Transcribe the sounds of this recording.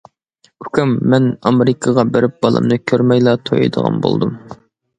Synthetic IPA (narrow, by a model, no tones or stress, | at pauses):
ykʰʲymːɛnɑmeɾɪkʰɑʁɑbeɾɪp̚b̥ɑlˠɨ̰mnɨkʲʰøɾmɛjlˠɑt̪ʰojḭd̪əʁɑ̰nbo̰lˠd̪um